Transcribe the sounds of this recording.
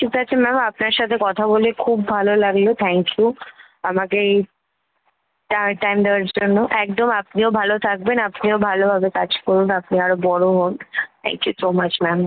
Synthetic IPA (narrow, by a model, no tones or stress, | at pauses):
ʃʰikʰat͡ɕʰemɛmapnaɾʃat̪ʰekɔt̪ʰabolekʰubːʱalolaɡlot̪ʰɛŋkju | amake | ʈaʈajmd̪eoaɾd͡ʑonːoʔɛk̚d̪omapniobʱalot̪ʰak̚benapniobʱalobʱabekad͡ʑkɔɾunapniaɾobɔɽoɦont̪ʰɛ̰ŋkjusomat͡ɕmɛm